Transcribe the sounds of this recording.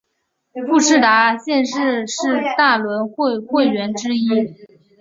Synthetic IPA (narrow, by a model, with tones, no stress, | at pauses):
fu˥˧ʈ͡ʂʰɻ̩˥˩t̪a˧˥ɕjɛ˥˧nʂɻ̩˥˧ʂɻ̩˥˧t̪a˥˩lwə˧˥nxwe˥˩xwe˥˩ɪɥɛ˧˥nʈ͡ʂɻ̩˥i˥